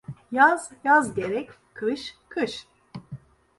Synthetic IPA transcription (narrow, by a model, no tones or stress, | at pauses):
jaz̥jazɟeɾɛc | kʰɯʃkʰɯʃ